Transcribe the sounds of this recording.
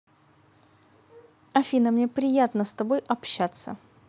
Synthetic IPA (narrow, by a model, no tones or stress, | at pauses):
ɐfʲinəmnʲe̞pɾʲɪjat̪nəst̪ɐbojɐpɕːat̪sə̰